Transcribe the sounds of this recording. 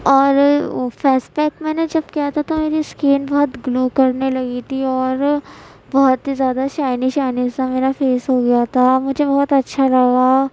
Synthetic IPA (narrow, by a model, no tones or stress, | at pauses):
ɔːɾfɛːspɛːkmɛːned͡ʒɐb̚kiɦat̪ʰat̪omeːɾiskiːnbɔɦɔt̪ɡluːkɐɾnelɐɡit̪ʰiɔːɾ | bɔɦɔt̪izjaːd̪aʃaːɪniʃaːɪnizsameːɾafeːsɦoɡɐjat̪ʰamʊd͡ʒʱebɐɦɔt̪ɐtːʃʰalɐɡa